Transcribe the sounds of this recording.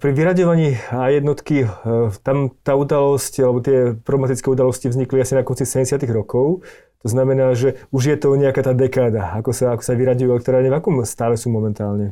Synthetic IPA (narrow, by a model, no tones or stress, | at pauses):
pɾiʋiɾaɟɔʋaɲiːajɛd̪nɔt̪kit̪amt̪aːud̪alɔscalɛbɔt̪ɪɛpɾɔblɛmat̪it͡skɛːud̪alɔscivzɲikliasinakɔnt͡sisɛɛsɪat̪iɣɾɔkɔʊ | t̪ɔznamɛnaːʒɛuʒjɛt̪ɔɲɛakaːt̪aːd̪ɛkaːd̪aakɔsaakɔ̥saʋiɾaɟujuɛlɛkt̪ɾaːɾɲɛvakɔmst̪aːlɛsuːmɔmɛnt̪aːlɲɛ